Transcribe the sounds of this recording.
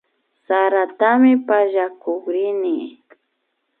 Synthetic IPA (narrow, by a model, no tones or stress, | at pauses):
saɾat̪amɪpaʒakokɾɪnɪ